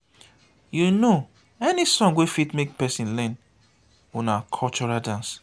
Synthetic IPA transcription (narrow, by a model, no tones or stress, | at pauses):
juno | ɛnisɔ̃ŋwefitmek̚pɛsĩnlɛ̃n | onakʰɔlt͡ʃɔɹadãns